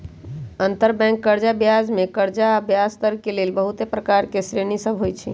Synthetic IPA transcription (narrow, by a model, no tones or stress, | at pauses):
ənt̪əɾbɛ̃ŋkːəɾd͡ʒabjad͡ʒmekəɾd͡ʒaəbjast̪əɾkelelbəɦut̪epɾəkaɾkesɾenisəbʱɦojt͡ʃʰḭ